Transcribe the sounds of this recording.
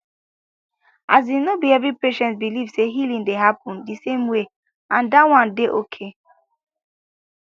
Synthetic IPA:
ʔazinobiɛbipeʃɛ̃nsbilivseɦilĩŋdeɦapʰɔ̃ndisẽmwe | ãndawãndeʔokʰe

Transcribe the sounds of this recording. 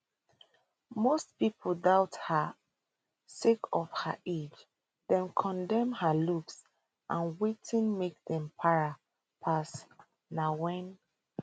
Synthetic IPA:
mostpipʰoldaʊtha | sekʰɔfhaʔed͡ʒ | dɛ̃nkʰɔ̃ndɛ̃mhaluks | ʔãnwetʰĩnmek̚dɛ̃mpʰaɹa | pʰas | nawɛ̃n

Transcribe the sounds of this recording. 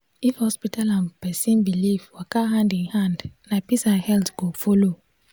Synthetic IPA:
ifhɔspitalãnpɛsĩnbilifwakaɦãndĩnhãndnapisãnhɛltɡ̥ofɔlo

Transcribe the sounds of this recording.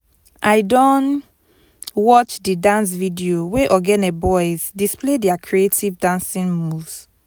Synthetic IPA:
ʔajdɔ̃n | wɔt͡ʃdidãns̬vidioweʔɔɡɛ̃nɛbɔɪzdisplediakʰɹietivdãnsĩnmuvs

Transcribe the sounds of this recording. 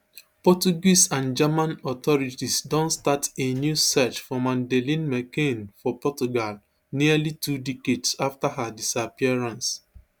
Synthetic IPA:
pɔt͡ʃuɡisãnd͡ʒamãnɔtɔɹitisdõntstatenjusɛt͡ʃfɔmãndɛlĩnmɛkẽnfɔpɔtuɡal | niəlitudikedsaftaɦadisapiaɹãns

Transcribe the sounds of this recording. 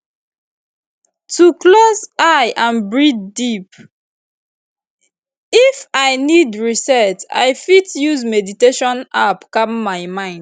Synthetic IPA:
tʰuklozajʔãnbɹiddip | ifaɪnidɹisɛta̰jfitjuzmɛditeʃɔ̃napkapmaɪmãɪ̃nd̥

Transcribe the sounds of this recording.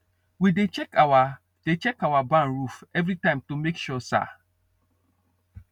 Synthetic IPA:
widet͡ʃɛkawa | d̥et͡ʃɛkawabãnɹufɛvɾitãɪ̃mtomekʃɔsa̰

